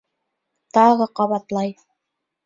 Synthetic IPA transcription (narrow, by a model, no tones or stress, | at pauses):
t̪ɑʁɤqɑβɑt̪lˠɑj